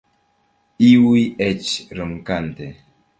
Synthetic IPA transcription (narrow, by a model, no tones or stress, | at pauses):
iwiet͡ʃɾɨmkante